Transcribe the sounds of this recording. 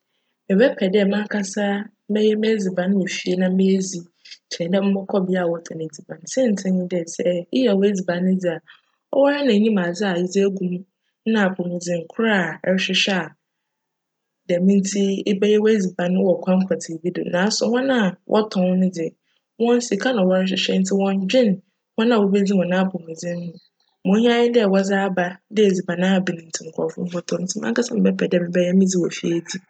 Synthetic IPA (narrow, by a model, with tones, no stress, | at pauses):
ɛ˨wɛ˦pʰɛ˨dɪ˦ɛ˨mã˦kʰa˦sa˦ | mɛ˦jɛ˦me˦d͡zi˨bã˨nʊ̃˦wo˨fi˦e˦nã˦me˦zi˨ | t͡ɕʰɛ̃˨dɛ˦m̩˦mɔ˦kʰɔ˦bɪ˦a˦˨wɔ˦tʰã˨nẽ˨d͡zi˨bã˨nsɛ̃˦n̩˨tʰɪ̃˦ɲĩ˦dɛ˨sɛ˦ɪ˦jɛ˨we˦d͡zi˨bã˨nʊ̃˦d͡zi˨a˨ | ɔ˦wɔ˦a˦nã˨˦ɲĩ˦mã˨d͡zɪ˦a˨i˦d͡zi˦æ˦ɡũ˦m˦ | nã˨pʰo˨mĩ˨d͡zɪ̃˨ŋ̩˨kʷʰʊ˦ɾa˦˨ɛ˦ɾɕɪ˦ɕɛ˦a˨ | dɛ˨mĩ˦n̩˦tʰi˦ɪ˦bɛ˦jɛ˦wɔ˦e˦d͡zi˨ba˨nʊ̃˦wɔ˨kʷʰã˦ŋ̩˦kʰa˨tʰi˨bi˦do̰˨nãː˨˦sɔ˨hɔ̃˦nã˦˨wʔɔ̰˦tʰɔ̃˦n˦nʊ̃˦dɪ˨ɛ˨ | wɔ̃˦n˦si˨kʰa˦nã˨wɔ˨˦ɾɕ̬ɪ˨ɕɛ˦n̩˦tʰɪ˦wɔ̃˦ɲ˦d͡ʑᶣɪ̃˦˨n | hɔ̃˦nã˨o˨be˦d͡zi˦mɔ̃˨nã˦˨pʰo˨mũ˨d͡zɪ̃˦nhʊ̃˨ | mʊ̃˨˦ɲ˦ã˦jɪ˦dɪ˦ɛ˨wɔ˦za˦ba˦dɪ˦e˨d͡zi˨ba˨nã˦˨bɪ˨nɪ̃˨n̩˨tʰɪ˨ŋ̩˨kʰʷɔ̰˨fʊ̰˦m̩˦wɔ˦tʰɔ̃˨˦n̩˦tʰɪ˦m˦ã̰˦kʰa˦sɛ˦mɪ̃˨bɛ˦pʰɛ˨dɛ˦˨mɪ̃˨˦bɛ˦jɛ˦mĩ˦d͡zi˦wɔ˨fi˦æ˨di˦